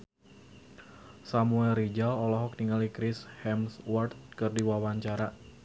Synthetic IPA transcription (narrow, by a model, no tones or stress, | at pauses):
samuɛlrid͡ʒalɔlɔɦɔk̚niŋalikɾɪshɛmswɔrt̪̚kɨrdiwawaɲt͡ʃaɾa